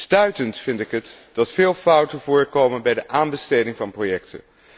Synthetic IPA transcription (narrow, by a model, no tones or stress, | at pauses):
stœɥtəntfɪndɪkɦətd̥ɑtfɪːlˠfʌwtənvʊːɹkowmənbɛjdəʔaːnbəstejdɪŋvɑnprojɛktʰə̰n